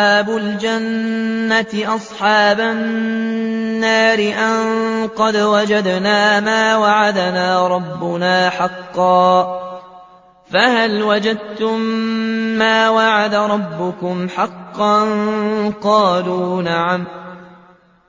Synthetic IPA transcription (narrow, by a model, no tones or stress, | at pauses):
aːbʊld͡ʒanːat̪ɪʔɑsˤħɑːba | nːaːɾɪʔaŋŋqɑd̪wad͡ʒad̪naːmaːwaʕad̪naːɾˤɑbːʊnaːħɑqːɑː | fahalwad͡ʒad̪̚t̪ʊmː | aːwaʕad̪aɾˤɑbːʊkʊmħɑqːɑnqɑːluːnaʕam